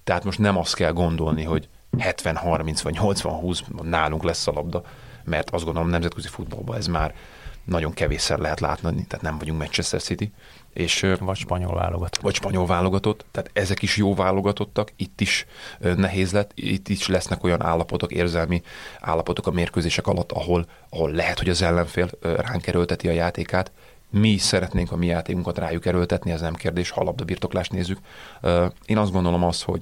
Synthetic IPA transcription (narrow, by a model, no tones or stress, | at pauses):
t̪ɛɦaːt̪mo̞ʃt̪nɛmɒst̪kɛlɡo̞nd̪o̞lniɦo̞ɟ | hɛt̪ʋɛnhɒrminsʋɒɟɲo̞lt̪sʋɒ̰nɦuːsbɒnaːluŋklɛsːɒlɒb̚d̪ɒ | mɛrt̪ɒzɡond̪oomnɛmzɛt̪køzifud̪̚bɒ̰lbɒ̰ɛzmaːr | nɒɟo̞ŋkɛveːsɛlɛɦɛt̪la̰ːt̪nɒnit̪ɛːt̪nɛɱvɒɟuŋkmɛt͡ʃɛst̪ɛ̰rsit̪i | ʔeːʃvɒcʃpɒɲo̰lva̰ːloɡɒt̪o̥vɒcʃpɒɲo̞lvaːlo̞ɡɒt̪o̞t̪ːɛaːt̪ɛzɛkiʃjoːlvaːlːo̞ɡɒt̪o̞t̪ːɒkit̪ːiʃnɛɦeːzlɛt̪ːḭt̪ːiʃlɛsnɛko̞jɒnʔa̰ːlːɒpo̞t̪o̞kḛːrzɛlmiʔa̰ːlːɒpo̞t̪o̞kɒmeːrkøːzeːʃɛkɒlɒt̪ːɒɦo̞l | ɒɦo̞lːɛɦɛt̪ho̞ɟɒzɛlːɛɱfeːlraːŋkɛɾølt̪ɛt̪iɒjaːt̪eːkaːt̪ | miʃsɛɾɛt̪neːŋkɒmijaːt̪eːkuŋkɒt̪raːjukɛɾølt̪ɛt̪niɛznɛmkeːrd̪eːʃhɒ̰lɒb̚d̪ɒbiːrt̪o̞klaːʃt̪neːzːykː | eːnɒzd̪ɡo̞nd̪o̞lo̞mɒst̪ho̞̰ɟ